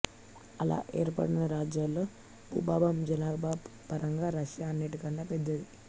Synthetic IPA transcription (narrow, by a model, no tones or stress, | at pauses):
ɐla̰ːʔeːɾpɐ̰ɽinɐɾaːd͡ʒjaːlːo̞ː | bṵːbaːbɐmd͡ʒɐnaːbaːbpɐɾɐŋɡaːɾɐʃjaːɐnːeʈikɐɳɖaːpɛd̪ːɐd̪i